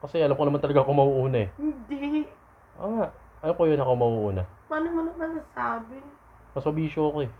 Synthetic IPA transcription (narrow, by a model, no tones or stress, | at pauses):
kɐsɛʔɐlamkonɐmant̪ɐlɐɡakomɐhuʔuːnɐɛhɪnd̪i | ʔaŋaʔ | ʔɐjokojonɐkomɐʔuʔuːnɐmaːnɪmɐnɐŋnɐnasaːbɪ | mɐsmɐbiːʃoɐkoɛ